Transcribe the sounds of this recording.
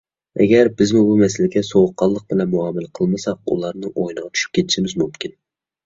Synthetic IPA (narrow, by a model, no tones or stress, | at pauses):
ɛ̰ɡʲæɾbɪzmʊbumɛsɪlɪɡʲɛsowʊqʰːɑlˠːəq̚bɪlɛnmʊɑmɪlqʰəlˠmɨsɑq̚ṵlˠɑɾnɨʔojnɨʁɑt͡ʃ̪ʰy̥ʃy̥p̚kʲʰet̪ʰɪʃɪmɪzmumkʲɪn